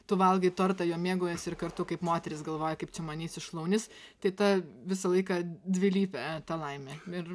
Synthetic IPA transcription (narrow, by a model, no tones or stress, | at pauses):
t̪ʊʋɐlˠɡɐɪt̪ort̪ɐjuːmʲiɛɡoːjɛsɪrkɐrt̪ʊkɐɪpmoːt̪ʲɛɾʲɪsɡɐlˠʋoːjɛkɐɪp̚t͡ʃʲɛmɐnʲiːsʲɪʃlˠɐʊnʲɪst̪ɐɪt̪ɐʋʲɪsɐlˠɐɪkɐd̪ʲʋʲɪlʲiːpʲɛt̪ɐlˠɐɪmʲɛɪr